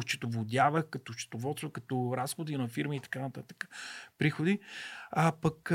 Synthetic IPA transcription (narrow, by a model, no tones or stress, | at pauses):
t͡ʃɛ̥t̪ovod̪ʲjavəxkɐt̪ot͡ʃɛ̥t̪ovɔt̪st̪vəkɐt̪oɾasxod̪inɐfiɾməit̪ɐ̥kanɐt̪at̪ə̥kə̥pɾixod̪iapɐk